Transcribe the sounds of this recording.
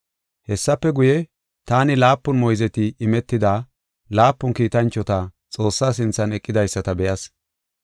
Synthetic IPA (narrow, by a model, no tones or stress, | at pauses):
hɛsːɐpːɛɡʊjɛ | t̪aːnɪlaːpːʊnmɔjzɛt̪ɪɪmɛt̪ːɪd̪aː | laːpːʊnkiːt̪ɐnt͡ʃːɔt̪ɐ | t͡sʼo̞ːsːaːs̬ɪnt͡sːɐnɛkʼːɪd̪ɐjsːɐt̪ɐbɛjɐs